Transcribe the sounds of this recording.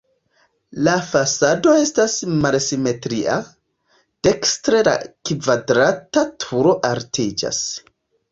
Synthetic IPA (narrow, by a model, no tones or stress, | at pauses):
lafasado̞e̞stasmalsime̞tɾiʔa̰ | d̥ekstɾela̰kvadɾatatʰuɾo̞ʔaɾtʰid͡ʒa̰s